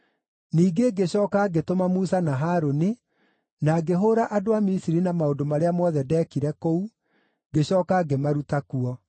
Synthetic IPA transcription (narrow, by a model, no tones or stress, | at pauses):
niːɡeɡeɕɔːkaɡetomamuːsanaɦaːɾoni | naɡeɦoɾaʔadoamisiɾinamaodomaɾeamɔðɛdɛːkiɾɛkou | ɡeɕɔːkaɡemaɾutakuɔ